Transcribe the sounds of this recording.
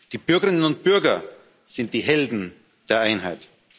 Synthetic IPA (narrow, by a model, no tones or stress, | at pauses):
d̥iːbʏɐɡəʁɪnənʊnt̚b̥ʏɐɡɐ | z̥ɪnt̚d̥iːɦɛldn̩ | d̥eːɐʔaɪnɦa̰ɪt